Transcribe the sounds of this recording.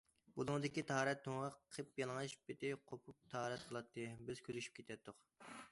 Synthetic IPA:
bulˠʊŋd̪ɪkʲit̪ʰɑɑɾɛt̪ːoŋʁɑqʰəpjɑlˠŋɑʃbɪt̪ʰɪqʰopʰup̚t̪ʰɑɑːɾɛt̪qʰəlˠɑt̪ʰːɨbɪz̥kʲʰøɾyʃy̥p̚kʲʰe̥t̪ʰɛt̪ʰːʊq

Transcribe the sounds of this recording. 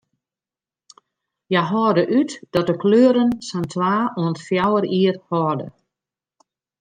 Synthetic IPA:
jaɦɔːrdəʔytd̥ɔt̚dəkløːəɾənsantʰʋaːuəntfjawəɾiərhɔːrdə̰

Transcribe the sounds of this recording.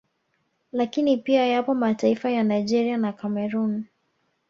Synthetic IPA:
lakinipiajapɔmataifajanajd͡ʒɛɾianakamɛɾun

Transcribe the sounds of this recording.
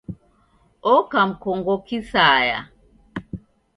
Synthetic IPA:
ɔkam̩kɔŋɡɔkisaːja̰

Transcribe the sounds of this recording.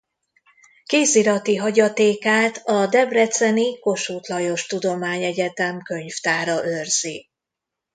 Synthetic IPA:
keːsiɾɒt̪iɦɒɟɒt̪eːkaːt̪ɒd̪ɛbrɛt̪sɛniko̞ʃuːt̪lɒjo̞ʃt̪ud̪o̞maːɲɛɟɛt̪ɛmkø̞ɲft̪aːɾɒʔørz̥i

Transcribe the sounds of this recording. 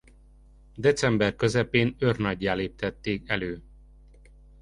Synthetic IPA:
d̪ɛt̪sɛmbɛrkø̞zɛpeːnørnɒɟːaːleːpit̪ɛt̪ːeːkɛløː

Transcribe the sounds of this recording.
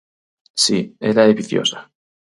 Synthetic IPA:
sieɾaeβiθjo̰sḁ

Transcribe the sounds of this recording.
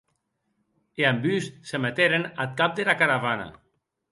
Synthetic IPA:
eambyssemet̪eɾenat̪̚kap̚d̪elakaɾaβana̰

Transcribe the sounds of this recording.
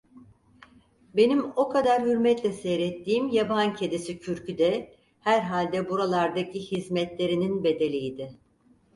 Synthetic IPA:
be̞nimo̞kʰad̪aɾhyɾmɛt̪lʲɛsɛjɾɛt̪ʰːiːmjabancʰed̪isicʰyɾcyd̪ɛ | hæɾɦalʲd̪ɛbuɾalˠaɾd̪acihizmɛt̪lʲe̞ɾininbe̞d̪e̞lʲijd̪ɪ

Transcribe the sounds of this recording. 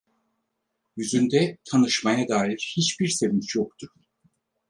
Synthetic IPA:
jyzynd̪ɛt̪ʰanɯʃmajad̪aːiɾhit͡ʃbiɾse̞vint͡ʃjok̚t̪ʰuɾ̥

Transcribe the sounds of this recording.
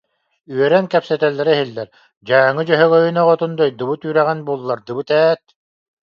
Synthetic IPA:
yœɾɛŋkɛpsɛt̪ɛlːɛɾɛɦilːɛɾ | d͡ʑaːŋɯd͡ʑœɦœɡœjynɔʁɔt̪und̪ɔjd̪ɯβɯt̪yːɾɛʁɛnbuɔlˠːaɾd̪ɯbɯt̪ɛːt̪̚

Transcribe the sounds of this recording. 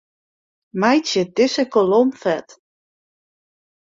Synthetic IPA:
majsjədɪsəkolomfɛt

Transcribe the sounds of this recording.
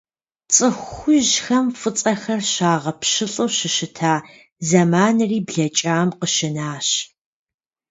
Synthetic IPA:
t͡sʼɨxʷʊʒxɐmfɨt͡sʼɐxɐrɕaːʁɐpʃɨɬʼɨwɕɪʃɪtʰaː | zɐmaːnɨriːbɮɐt͡ʃʼaːmqəʃɪnaːɕ

